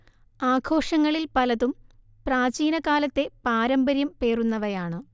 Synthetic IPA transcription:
aːkʰo̞ːʂɐŋːɐɭilpɐlɐðum | praːt͡ɕiːnɐkaːlɐt̪ːe̞paːɾɐmbɐɾjɐmpe̞ːrunːɐʋɐjaːɳɨ

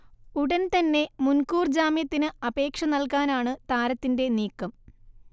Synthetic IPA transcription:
uɽɐnt̪ɐnːe̞munkuːrd͡ʑaːmjɐt̪ːinɨɐbe̞ːkʂɐnɐlkaːnaːɳɨt̪aːɾɐt̪ːinde̞niːkːɐm

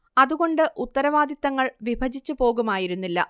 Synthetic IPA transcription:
ɐðuɣo̞ɳɖɨʔut̪ːɐɾɐʋaːd̪jit̪ːɐŋːɐɭʋibʱɐd͡ʑit͡ɕːupo̞ːɣumaːjiɾunːilːɐ̰

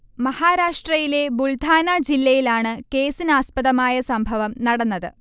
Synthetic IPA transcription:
mɐhaːɾaːʂʈrɐjile̞buɭd̪ʱaːnad͡ʑilːɐjilaːɳɨke̞ːsinaːspɐðɐmaːjɐsɐmbʱɐʋɐmnɐɽɐnːɐðɨ

